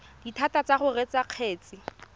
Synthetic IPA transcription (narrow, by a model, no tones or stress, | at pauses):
d̥itʰatat͡saχʊret͡saq͡χʰeːt͡sʼɪ